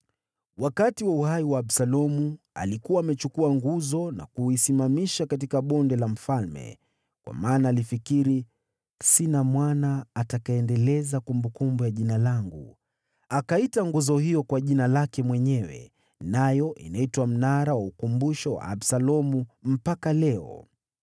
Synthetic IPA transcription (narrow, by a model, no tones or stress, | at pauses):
wakatiwauhaiwaːbsalɔmu | a̰likuwaːmɛt͡ʃukuaŋɡuzɔna̰kuisimamiʃakat̬ikaɓɔndɛlam̩falmɛ̰ | kwa̰maːnaːlifikiɾi | sinamwanaːtakaɛndɛlɛzakumbukumbujaʄinalaŋɡṵ | akaitaŋɡuzɔhijɔkwaʄinalakɛmwɛɲɛwɛ̰ | najɔʔḭnaitwam̩naɾawaukumbuʃɔwa̰ːbsalɔmum̩pakalɛɔ̰